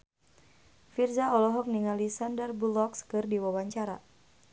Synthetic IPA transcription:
firzaɔlɔɦɔk̚niŋalisandərbulɔkskɨrdiwawaɲt͡ʃaɾa̰

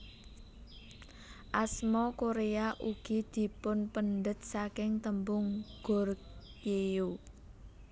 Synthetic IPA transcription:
ʔasmɔkoɾeaʔuɡ̥id̪̥i̤pʊnpənɖət̪̚sakɪŋt̪əmbʊŋɡ̥ʊ̤r | jeu

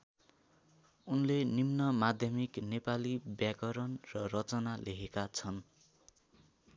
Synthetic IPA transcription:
unlenimnʌmad̪ʱjʌmiknepalibjakʌɾʌnrʌrʌt͡sʌnaleɦekat͡sʰʌn

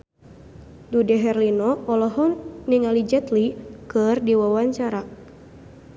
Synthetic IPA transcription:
dudɛɦɛrlinɔɔlɔɦɔːiŋalid͡ʒɛt̪likɨrdiwawaɲt͡ʃaɾa

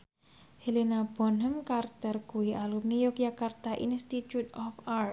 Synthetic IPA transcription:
helinabɔnɦəmkart̪ərkuwiʔalumnijɔk̚d͡ʒakart̪aʔḭnst̪it̪ut̪ɔfar̚

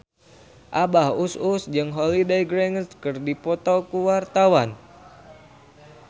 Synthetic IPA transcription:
ʔabahususd͡ʒɨŋɦɔlidejɡɾɛŋəskɨrdipɔt̪okuwart̪awan

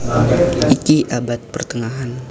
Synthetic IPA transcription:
ikiʔabat̪̚pərt̪əŋaɦan

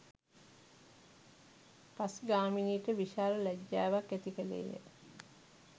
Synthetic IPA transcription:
pasɡaːminiːʈəʋiʃaːləlæɟːæːʋakːet̪ikəlḛːjə̰

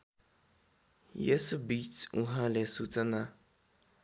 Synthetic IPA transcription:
jḛsubituɦãlɛsutana

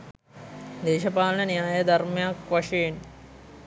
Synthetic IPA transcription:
d̪eːʃɐpaːlɐnɐnijaːjɐd̪ɐrmjaːkʋɐʂeːn

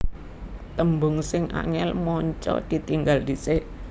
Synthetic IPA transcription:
t̪əmbʊŋsɪŋʔa̰ŋɛlmɔɲt͡ʃɔ̰d̪̥i̤t̪iŋɡald̪i̤se

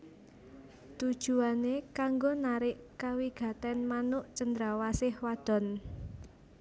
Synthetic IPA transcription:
t̪ud̥ʒ̥ṳanekaŋɡonaɾɪʔkawiɡ̥a̤t̪ɛnmanʊʔt͡ʃənd̪ɾawasɪhwad̪̥ɔ̤n

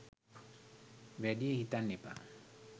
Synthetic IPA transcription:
ʋɛdijehit̪anːipa̰

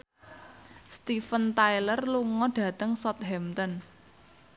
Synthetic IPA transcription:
st̪ifənt̪ailərluŋɔɖ̥ä̤t̪əŋsɔt̪̚ɦɛmt̪ɔn

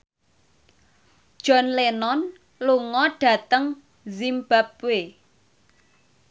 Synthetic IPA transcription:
d̥ʒ̥ɔ̤nlenɔn | luŋɔɖ̥ä̤t̪əŋ | zimb̥ap̚we

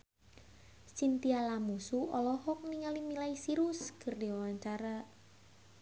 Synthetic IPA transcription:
sint̪ialamusuɔlɔhɔk̚niŋalimilaisiɾuskɨrdiawaɲt͡ʃaɾa

